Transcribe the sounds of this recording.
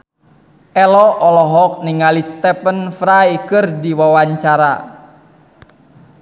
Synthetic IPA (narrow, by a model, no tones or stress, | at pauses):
ʔɛlɔʔɔlɔɦɔk̚niŋalist̪ɛpənfɾaikɨrdiwawaɲt͡ʃaɾa̰